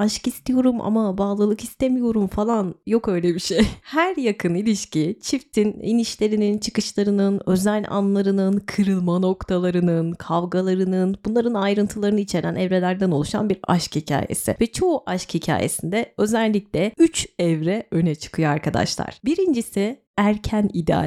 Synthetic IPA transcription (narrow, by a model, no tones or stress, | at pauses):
aʃkist̪ʰijo̞ɾumʔa̰mabaːlˠɯlˠɯkist̪emijo̞ɾumfalˠanjo̞kø̞jlʲebiʃejhæɾjakʰɯnilʲiʃcit͡ʃʰift̪ʰinḭniʃlʲe̞ɾinint͡ʃʰɯ̥kɯʃlˠaɾɯnɯnø̞zælʲa̰nlˠaɾɯnɯnkʰɯɾɯlˠmano̞kt̪ʰalˠaɾɯnɯnkʰavɡalˠaɾɯnɯnbunlˠaɾɯnajɾɯnt̪ʰɯlˠaɾɯnɯit͡ʃʰe̞ɾænɛvɾe̞lʲæɾd̪æno̞lˠuʃa̰nbiɾa̰ʃkhicʰa̰ːjḛsɪ̰vɛt͡ʃʰo̞uʔaʃkhicʰa̰ːje̞̰sind̪ɛø̞zælʲlʲːiclʲɛyt͡ʃɛvɾɛø̞nɛt͡ʃʰɯ̥kʰɯjoaɾkʰad̪a̰ʃlˠa̰ɾ̥biɾind͡ʒisi | æɾcʰænid̪ɛa̰